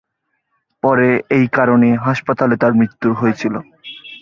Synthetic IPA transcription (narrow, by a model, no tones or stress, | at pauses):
pɔɾeejkaɾoneɦaʃpat̪alet̪aɾmɾit̪ːuɾɦoet͡ɕʰilo